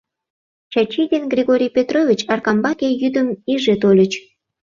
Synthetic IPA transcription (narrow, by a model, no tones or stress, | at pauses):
t͡ɕɑt͡ɕid̪ʲenɡrʲiɣoɾʲijpʲet̪rovʲit͡ɕɑrkɑmbɑkʲejyd̪əmiʒet̪olʲə̆t͡ɕ